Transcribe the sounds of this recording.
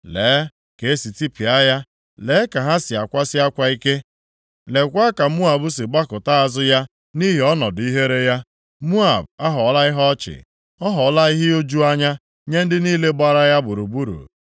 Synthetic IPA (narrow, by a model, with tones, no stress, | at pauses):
leː˨˦ | ke˨˦e˦si˨ti˦pi˨a˦ja˦ | le˨˦ka˨ɦa˦sɪ˨a˨kʷa˦sɪ˦a˦kʷa˦i˦ke˦ | le˨kʷa˦ka˨˦mu˦a˨bʊ˦sɪ˨ɡ͡ba˦kʊ˨ta˦a˨zʊ˦ja˦ | ni˦ɦi˨ɔ˦nɔ˨di˦ɦe˦ɾe˦ja˦ | mu˦a˨ba˦ɦɔ˨˦la˦ɪ˦ɦɔ˦t͡ʃɪ̰˨ | ɔ˦ɦɔ˨˦la˦i˦ɦɪ˦o˦d͡ʒu˦a˦ɲa˦ | ɲe˦n̩˦dɪ˦niː˦le˦ɡ͡ba˦ɾa˦ja˦bʊ˨ɾu˨bu˦ɾṵ˨